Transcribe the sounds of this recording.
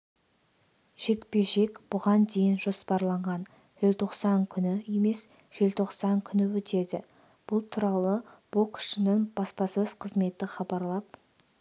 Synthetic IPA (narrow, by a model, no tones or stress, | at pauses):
ʒ̥e̞kpe̞ʒe̞kʲb̥ʊʁɑnd̪e̞jɪnʒo̞spɑɾlˠɑɴʁɑn | ʒ̥elt̪ʰo̞qsɑŋkʲʰʏnɪje̞me̞s | ʒ̥e̞lt̪ʰo̞qsɑŋkʲʰʏnɪwɵt̪ʰe̞d̪ɪ | b̥ʊlˠt̪ʰuɾɑlˠəb̥ʊkʲʰʏ̥ʃɪnɪŋb̥ɑspɑsɵz̥qʰəzme̞t̪ɪχɑbɑɾlˠɑp